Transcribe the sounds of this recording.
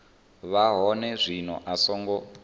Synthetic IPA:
βaɦɔnɛzʷinɔ̰ʔasɔːŋɡɔ

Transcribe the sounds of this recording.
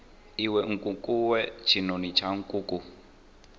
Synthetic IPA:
iwɛŋ̩kʼukʼuwɛt͡ʃʰinonit͡ʃʰaŋ̩kʼuːku

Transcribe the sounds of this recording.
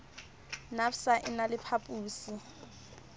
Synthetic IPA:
nafsaʔɪnalɪpʰapʼuːsi

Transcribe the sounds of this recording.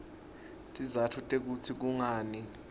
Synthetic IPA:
tʼizatʰutʼek̬ut͡sʰik̬uŋaːni

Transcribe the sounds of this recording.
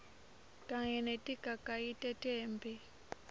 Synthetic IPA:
tʼaŋɛnɛtʼikakʼaitʼɛtʼɛːmbi

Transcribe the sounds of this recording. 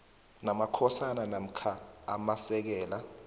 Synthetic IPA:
namakʰɔsananam̩kʰaa̰masɛk̬ɛːla

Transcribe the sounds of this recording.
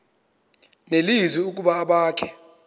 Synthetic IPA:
nelizwiuk̬ʼuɓaːɓaːkʰɛ̥

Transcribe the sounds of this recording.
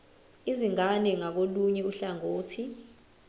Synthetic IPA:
iziŋanɛŋak̬oluɲɛuɬaŋoːtʰi

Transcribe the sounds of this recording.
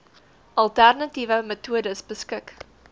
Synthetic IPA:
ʔɐlˠtærnɐtivəmətʰuədəsbəskək

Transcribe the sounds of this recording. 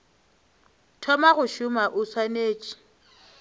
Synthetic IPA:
tʰɔmaɣʊʃʊmaʔʊswaneːt͡ʃʼi̥

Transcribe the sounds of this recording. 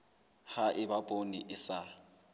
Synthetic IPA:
haʔɪbapʼoniʔɪsa

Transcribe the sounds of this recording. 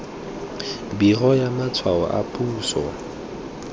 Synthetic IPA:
birɔjamat͡sʰwaɔ̰ʔa̰pʼuːsɔ

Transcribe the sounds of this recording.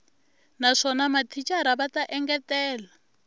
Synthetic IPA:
naʂɔnamatʰit͡ʃʼaɾaβataʔɛŋɡɛtɛːla

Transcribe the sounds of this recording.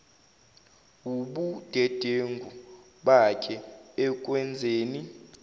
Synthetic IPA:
uɓud̥ʱɛd̥ʱeŋɡʱu | ɓakʰʼɛɛk̬ʼwɛnd͡zʱeːni

